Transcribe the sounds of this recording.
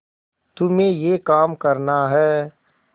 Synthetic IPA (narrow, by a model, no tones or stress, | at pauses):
t̪ʊmẽjekaːmkɐɾnaɦɛː